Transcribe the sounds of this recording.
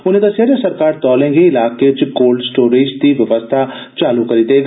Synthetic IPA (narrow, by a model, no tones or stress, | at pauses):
ʊnẽd̪aseɾjasɐɾkaːɾt̪ɔːlẽːŋɡeɪlaːket͡ʃɡoːlɖsʈoːɾiːd͡ʒd̪iʋjɐʋəst̪ʰa | t͡ʃaːlukɐɾit̪eɡa